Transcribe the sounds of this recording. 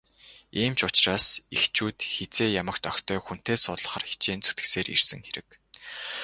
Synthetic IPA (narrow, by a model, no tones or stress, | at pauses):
iːmt͡ɕʊt͡ɕraːsixt͡ɕuːt̪xet͡seːjamə̆kt̪œxʲt̪ʰœːxun̥t̪eːsʊɮə̆χə̆rxi̥t͡ɕeːnt͡su̥t̪ɡɘ̥̆kseːɾḭrsɘ̆ŋxeɾɘ̆k̚